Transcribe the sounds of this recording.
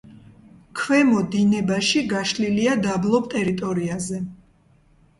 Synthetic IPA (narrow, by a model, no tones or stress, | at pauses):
kʰwɛmɔd̪inɛbaʃiɡaʃliliad̪ablˠɔp̚t̪ʼɛɾit̪ʼɔɾiazɛ